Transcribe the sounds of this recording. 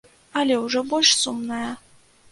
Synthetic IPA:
alʲeuʐɛbolʲʂsumnaja

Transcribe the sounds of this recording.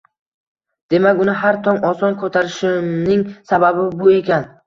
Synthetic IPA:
d̪̥e̞makʲʊnɪɦaɾt̪ʰɒŋɒsɒnkʰot̪ʰaɾɪʃɪmnɪŋsababɪbʊe̞kʲan

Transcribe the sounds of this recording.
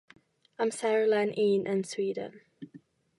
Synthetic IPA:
ãɪ̃msæɹəlãɪ̃nʔĩnʔɪ̃nswiːdə̰̃n

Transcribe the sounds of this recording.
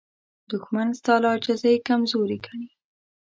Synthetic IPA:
d̪ʊxmanst̪ɑlɑd͡ʒazajkamzoɾikaɳi

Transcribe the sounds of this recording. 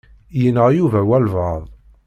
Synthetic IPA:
jənəʁjuvæwælvəðˤ

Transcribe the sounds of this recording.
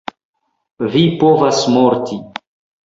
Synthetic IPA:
vipovasmoɾtʰi

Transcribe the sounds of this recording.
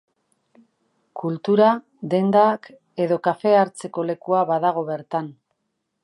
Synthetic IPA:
kult̪uɾa | d̪e̞nd̪aːk | e̞ðo̞kafe̞aɾt͡se̞ko̞le̞kuaβaðaɣ̞o̞βe̞ɾt̪an

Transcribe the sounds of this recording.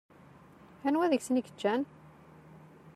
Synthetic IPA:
ænwæðəçsəniɡət͡ʃːæn

